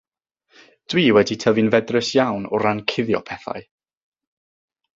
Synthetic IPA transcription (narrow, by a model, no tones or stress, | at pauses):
d̥wiːwɛditʰəvɨnvɛdrəsjawnɔɾankʰɪðjɔ̰pʰɛθa̰ɨ